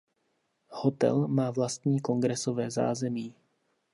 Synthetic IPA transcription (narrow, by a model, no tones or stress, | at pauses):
hot̪ɛ̰lmaːvlast̪ɲiːko̞ŋɡɾɛso̞vɛːza̰ːzɛmiː